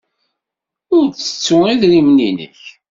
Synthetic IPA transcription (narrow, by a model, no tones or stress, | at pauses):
ʊɾt͡sə̥t͡sːʊiðɾimninə̰ç